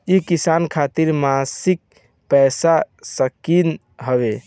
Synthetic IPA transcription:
ikisankʰat̪iɾmasik̚ | pɛjsa | səkin | ɦəβe

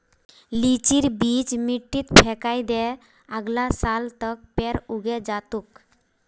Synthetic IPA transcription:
lit͡ʃiɾbit͡ʃmiʈːit̪bʰʱɛkajd̪ɛ | aɡlasalt̪ɔk̚peɾuɡed͡ʒat̪uk

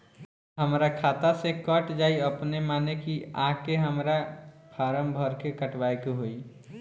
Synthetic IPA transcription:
ɦəmɾakʰaːt̪asekəʈd͡ʒaːiəpnemaːnekia̰ɦkeɦəmɾapʰaːɾəmbʱəɾkekəʈʰʋaikoɦoi

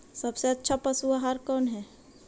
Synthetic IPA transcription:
sɐbseɐtːʃʰapɐsuaɦaɾkɔːnɦɛː

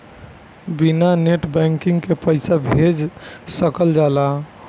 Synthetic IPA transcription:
binaneʈbɛŋkiŋɡkepəɪsabʱed͡ʒsəkəld͡ʒala

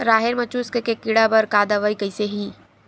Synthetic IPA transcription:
ɾaːɦeɾmɐt͡ʃuːskəkekɪɽabɐɾkaːd̪aʋəikɐiseɦiː

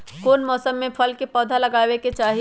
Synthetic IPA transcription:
koːnmɔːsəmːẽpʰɐlkepɔːd̪ʱalɐɡaːweket͡ʃaːɦi

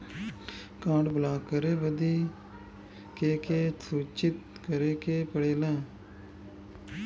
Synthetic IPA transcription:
kãːɳɖbəlaːkəɾeːbəd̪iː | keːkeːsʰuːt͡ʃɪt̪̚ | kəɾeːkeːpəɽeːlɛ̃ː

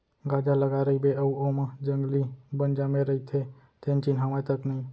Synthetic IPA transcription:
ɡad͡ʒaləɡaɾəibeəuomãd͡ʒəŋɡlibənd͡ʒamẽɾəit̪ʰe | t̪ʰent͡ʃinɦamat̪əknəĩ

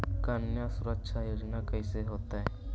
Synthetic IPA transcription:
kaːnjasʊɾəkʃʰajoːd͡ʒnakəĩseɦoːt̪aɦɛː

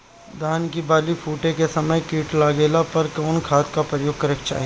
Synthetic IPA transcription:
d̪ʱaːnkibaːlifʰuːʈẽkesɐməjkiːʈlaːɡeːlapɐɾkaːnkʰaːt̪kapɾɐjoːɡ̚kɐɾək̚t͡ʃa̰ːɦi

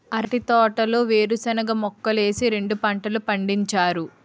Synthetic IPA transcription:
ɐɾɐʈit̪ɔːʈɐlo̞ːʋe̞ːɾusɐnɐɡɐmɔkːɐle̞ːsiɾe̞ɳɖupɐɳʈɐlupɐɳɖiɲt͡ʃaːɾu

